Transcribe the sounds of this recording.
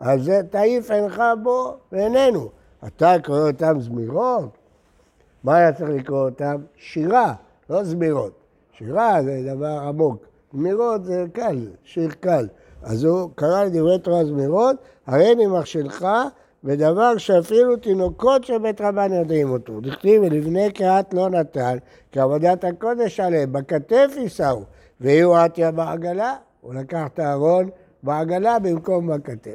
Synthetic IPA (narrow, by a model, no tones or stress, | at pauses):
azet̪aifenχabobeenenu | a̰t̪akoʁeot̪amzmiʁot̪ | maːt̪at͡sʁiχlikʁoot̪amʃiʁa | lo̞zmiʁo̞t̪̚ | ʃiʁazed̪avaʁamo̞k | zmiʁo̞t̪zekalʃiʁkal | a̰zukaʁaled̪ivʁet̪oazmiʁo̞t̪ | haʁenimaʁʃilχa | bed̪avaʁʃeafilut̪ino̞ko̞t̪ʃebet̪ʁabanjod̪imo̞t̪odiχlivelivne̞keat̪lo̞nat̪an | kiavod̪at̪hako̞d̪eʃalembakat̪efisau | veijuat̪iabaaɡala | ulakaχt̪eaʁo̞n | beaɡalabimko̞mbakat̪e